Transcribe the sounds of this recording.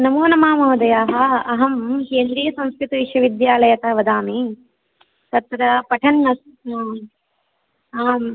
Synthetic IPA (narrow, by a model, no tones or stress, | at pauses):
nɐmuːnɐmaːmoːɐd̪ɐjaːɦɐɐɦɐmheːnd̪ɾijɐsɐ̃nskɾit̪iʋiʃʋɐʋid̪jaːlɐjɐt̪ɐɦɐʋɐd̪aːmi | t̪ɐt̪ɾɐpɐʈʰɐnːɐs